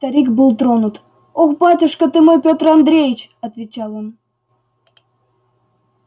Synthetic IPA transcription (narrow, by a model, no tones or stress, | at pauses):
t̪ɐɾʲikbɨlˠt̪ɾonut̪ | oxpatʲɪʂkət̪ɨmojpʲot̪rɐnd̪ɾʲejɪt͡ɕɐt̪vʲɪt͡ɕɑlˠon